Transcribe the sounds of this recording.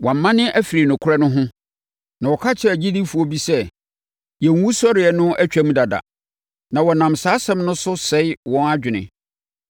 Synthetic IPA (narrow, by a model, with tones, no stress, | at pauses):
wɔ̃˨m̩˨˦mã˦nɪ̃˦ʔæ˦fi˨ɾi˨nʊ̃˨kʰʊ˦ɾɛ˦nʊ̃˦ɦʊ̃˦ | nã˨wɔ˨kʰa˦t͡ɕʰɪ˦æ˨d͡ʑi˦di˦fu˨ɔ˦bi˦sɛ˦ | jɛ˨˦ũ˦sɔ˦ɾɪ˨ɛ˨nʊ̃˦ʔæ˦t͡ɕᶣa˦mũ˦da˨da̰˨ | nã˨wɔ˨nã˨msaː˨˦sɛ̃˦mnʊ̃˦sʊ˦sɛ˦ɪ˦wɔ̃˦na˦d͡ʑᶣɪ˨nɪ̰̃˨